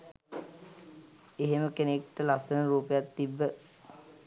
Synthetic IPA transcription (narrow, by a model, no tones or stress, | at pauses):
eɦeməkenekʈəlasənəɾuːpəjat̪ːibːə